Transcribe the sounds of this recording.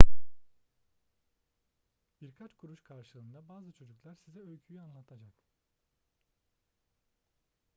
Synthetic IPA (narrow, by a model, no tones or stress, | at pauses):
b̥iɾkʰat͡ʃkʰuɾuʃkʰaɾʃɯlˠɯːnd̪abaːzɯt͡ʃʰo̞d͡ʒuklˠaɾsizɛøjʲcʰyjyanlˠat̪ʰad͡ʒak